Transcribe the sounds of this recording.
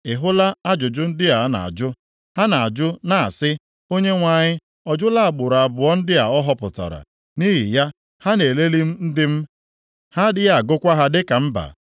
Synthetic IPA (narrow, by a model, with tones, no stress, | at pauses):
ɪ˨ɦʊ˦la˦a˦d͡ʒʊ˨d͡ʒʊ˦n̩˦dɪ˦a˨˦na̰˨a̰˨d͡ʒʊ˦ | ha˦na˨a˨d͡ʒʊ˦na˨a̰˨sɪ˦ | o˦ɲe˦ŋʷa˨ɲɪ˦ | ɔ˨d͡ʒʊ˦la˦a˨ɡ͡bʊ˨ɾa˨bʊ˨ɔ˦n̩˦dɪ˦a˨ɔ˦ɦɔ˦pʊ̰˨ta̰˨ɾa̰˨ | ni˦ɦɪ˨ja˦ | ha˦ne˨le˦li˦m̩˦n̩˦dɪ˦m̩˦ | ha˦dɪ˦ja˨a˨ɡʊ˦kʷa˦ɦa˦dɪ˦ka˨m̩˦ba̰˨